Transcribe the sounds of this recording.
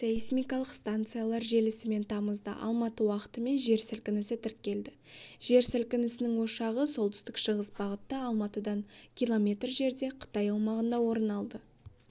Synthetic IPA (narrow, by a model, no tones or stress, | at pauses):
seismʲijkɑlˠəqst̪ant̪sɨjalˠɑɾʒe̞lɪsɪme̞nt̪ʰɑməzd̪ə̰ʔɑ̰lˠmɑt̪əwɑqə̥t̪əme̞nʒe̞ɾsɪlkʲɪnɪsɪt̪ʰɪɾk̚ʲːe̞ld̪ɪ | ʒ̥e̞ɾsɪlkʲɪnɪsɪnɪŋwo̞ʃɑʁəso̞lˠt̪ʰʏst̪ɪkʃəʁəsbɑʁət̪ːɑɑlˠmɑt̪əd̪ɑɴkʲʰilˠo̞mʲe̞t̪rʒe̞ɾd̪e̞qʰə̥t̪ɑjɑw̪ˠmɑʁənd̪ɑwo̞ɾənɑlˠd̪ə